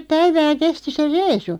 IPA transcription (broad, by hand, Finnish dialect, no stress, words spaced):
pæiʋæː kesti se reisu